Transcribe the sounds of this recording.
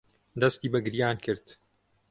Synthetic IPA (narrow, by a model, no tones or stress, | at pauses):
d̪ɐst̪iːbɐɡɨɾjaːnkʰɨɾt̪